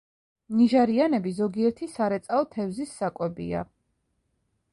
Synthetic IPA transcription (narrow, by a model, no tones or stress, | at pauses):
niʒaɾianɛbizɔɡiɛɾt̪ʰisaɾɛt̪sʼaɔt̪ʰɛvzisːakʼwɛbḭa̰